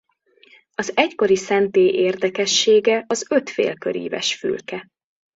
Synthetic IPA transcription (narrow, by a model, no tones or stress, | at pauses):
ɒzɛcko̞ɾisɛnt̪eːʔeːrd̪ɛkɛʃːeːɡɛʔɒzø̞t̪fḛːlkø̰ɾḭːvɛ̰ʃfy̰lkɛ